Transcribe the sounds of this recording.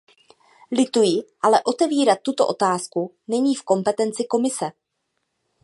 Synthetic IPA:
lɪt̪ujɪʔalɛʔo̞t̪ɛviːɾat̪ːut̪o̞̰ʔo̞t̪aːsku | nɛɲiːfko̞mpɛt̪ɛnt͡sɪko̞mɪsɛ

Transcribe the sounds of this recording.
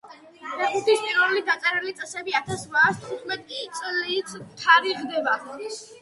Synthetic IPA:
mɛχut̪ʰispʼiɾulid̪asʼɛɾɛlit̪sʼɛsɛbiat̪ʰasvaːst̪ʰχut̪ʰmɛt̪ʼkʼit̪sʼlit̪ʰt̪ʰaɾiʁd̪ɛba

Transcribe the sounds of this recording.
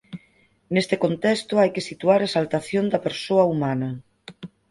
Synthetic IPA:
nest̪ekont̪ɛst̪ʊajkesit̪uaɾaesalt̪aθjond̪ɐpeɾsoɐumanɐ

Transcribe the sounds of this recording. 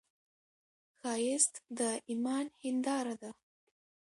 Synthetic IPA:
xɑjɪst̪d̪əʔimɑnhɪnd̪ɑɾad̪a

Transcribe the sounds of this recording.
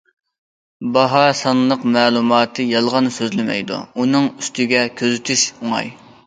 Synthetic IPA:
bɑɦɑsɑnlˠəqmɛːlˠumɑːt̪ʰɨjɑlˠʁɑnsøzlɪmɛ̰jd̪ṵunɨŋyst̪ʰɪɡʲɛkʲʰøzɪt̪ʰyʃuŋɑ̰j

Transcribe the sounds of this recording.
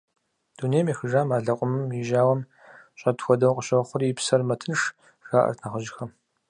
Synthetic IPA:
d̥uːnejmiːxəʒaːmaːɮɐqʷʼʊmɨmjɪʒaːwɐm | ɕʼɐtxʷɔdɐwqʼəɕʼɐχʷʊripsɐrmɐtʰɨnʂ | ʒ̥aːʔɐ̰rtʰnaːχʷəʒɪxɐm

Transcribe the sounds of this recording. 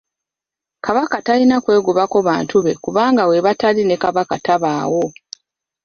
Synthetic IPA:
kaβakatalinakwe̞ːɡuβako̞βaːntuβe̞kuβaːŋɡawe̞βataline̞kaβakataβaːwo̞

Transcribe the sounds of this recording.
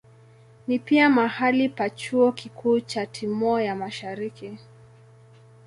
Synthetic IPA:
nipiamahalipat͡ʃuɔkikʰuːt͡ʃatʰimɔɔjamaʃaɾiki

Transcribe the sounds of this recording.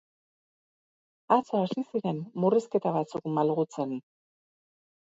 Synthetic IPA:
at͡soasisiɾe̞nːuriske̞t̪aβat͡sukmalɣut͡se̞n

